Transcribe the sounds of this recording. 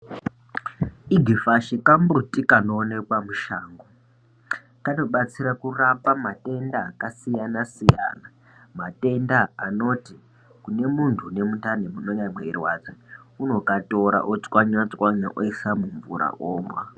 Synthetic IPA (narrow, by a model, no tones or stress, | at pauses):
iɡʱifaʃikambrutikanoːnekwamuʃaːŋɡo | kano̞ɓat͡siɾakurapamate̞ndaːkasijanasija̰ːna | mate̞ndaːno̞ti | kune̞muntʰune̞mutanemuno̞ɲamweirwad͡zeuno̞kato̞ɾa̰ʔot͡swaɲwat͡swaɲa̰ʔoisamuɱvṵɾa̰ʔoːmwa